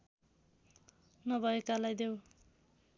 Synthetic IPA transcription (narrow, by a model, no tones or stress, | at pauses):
nʌbʱʌekalajd̪ew